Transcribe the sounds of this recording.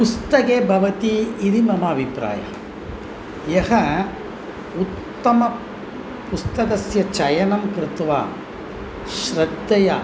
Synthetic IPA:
pust̪ɐkeːbʱɐʋɐt̪iːɾimɐmaːbʱipɾa̰ːjɐ̰ | jɐhɐ | ut̪ːɐmɐ | pust̪ɐkɐsjɐt͡ʃɐjɐnɐmkɾɪt̪ʋa̰ː | ʃɾɐd̪ːɐjɐ

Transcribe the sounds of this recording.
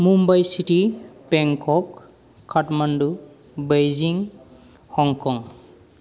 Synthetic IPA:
mumbajsitipɛŋkʰɔkʰː | atmandu | bejziŋ | hɔŋkɔŋ

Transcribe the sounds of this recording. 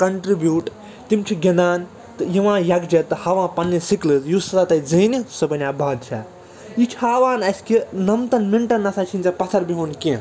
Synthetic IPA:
kɐɳʈɾibjuːʈ | t̪imt͡ʃʰiɡʲɐnaːn | t̪ɨjiʋãːjɐɡd͡ʒɐt̪ːɨhaːʋãːpɐnːisiklɨzjusɐt̪at̪ɐd͡zɐnisɐbɐnʲabʱaːd̪t͡ʃʰɐ̰ | jit͡ʃʰiɦaːʋãːnɐskinɐmt̪ɐnmiɳʈɐnːɐsat͡ʃʰinʲt͡sɐpɐt̪ʰɐɾbiɦoːnkẽ

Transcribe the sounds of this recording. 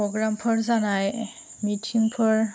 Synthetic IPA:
ɔɡɹampʰɔɹzanaj | mitʰiŋpʰɔɹ

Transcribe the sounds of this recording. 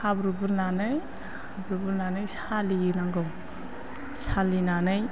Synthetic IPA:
habɾubuɾnanɯj | habɾubuɾnanɯjsaliɯnaŋɡɔw | salinanɯj

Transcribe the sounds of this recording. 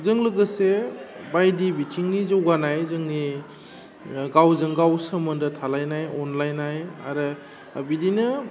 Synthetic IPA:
zɯŋlɯɡɯsebajdibitʰiŋnizɯwɡanajzɯŋni | ɡawzɯŋɡawsəmɯndɯtʰalajnajɔnlajnaja̰ɾɯ | bidinɯ

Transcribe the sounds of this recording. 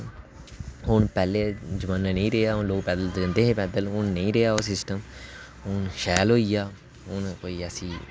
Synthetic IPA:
ɦʊɳpɛːleːd͡ʒəmãːnãːnə̃ĩːɾeːaːɦʊnloːɡpɛːd̪əld͡ʒə̃nd̪eːɦẽːpɛːd̪əlɦʊnnəĩːɾeaːoːsɪsʈəm | ɦʊnʃɛːlɦoːiːjaː | ɦʊnkoːiːəsĩː

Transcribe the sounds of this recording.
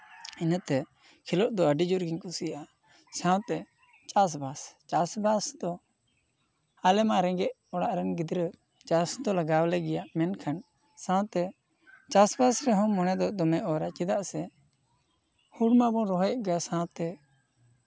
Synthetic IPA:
inət̪ɛ | kʰilɔʔd̪ɔəɖid͡ʒuɾɡiɲkusijaʔa | sãwt̪ɛ | t͡ʃas̬bast͡ʃasbasd̪ɔ | alɛmaɾɛŋɡɛʔ | ɔɽaʔɾɛnɡid̪ɾə | t͡ʃasd̪ɔlaɡawlɛɡɛjaʔmɛnkʰan | sãwt̪ɛ | t͡ʃasbasɾɛɦɔ̃mɔnɛd̪ɔd̪ɔmɛʔɔɾaʔt͡ʃid̪aʔsɛ | huɽmabɔ̃ɾɔɦɛʔ̚ɡasãwt̪ɛ

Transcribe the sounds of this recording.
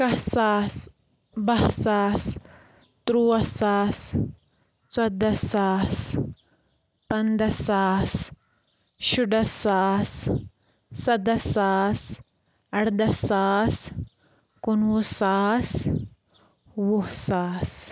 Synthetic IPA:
kɐhsaːs | bɐhsaːs | t̪ɾuwɐsaːs | t͡sɐd̪ɐsaːs | pɐnd̪ɐsaːs | ʃuɖɐsaːsː | ɐd̪ɐsaːs | ɐɽd̪ɐsaːs | kunusaːs | wuhsaːs

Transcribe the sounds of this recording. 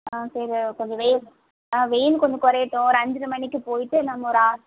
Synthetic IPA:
asɐɾkɔɲd͡ʒɐʋɛjɪl | aʋɛjɪlkɔɲd͡ʒɐkɔɾɐjɪʈːʊ̃ɾɐndɾɯmɐɳːɪkːɯpoːjʈːɯnɐmːʊɾaː

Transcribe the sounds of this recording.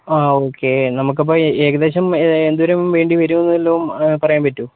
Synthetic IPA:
aːoːkːe̞nɐmuk̬ːɐp̬ːoːeːɣɐd̪e̞ːɕɐmend̪uʋɐɾemʋe̞ːɳɖiʋɐɾunːɐðelːompɐrɐjaːmpɐtːu

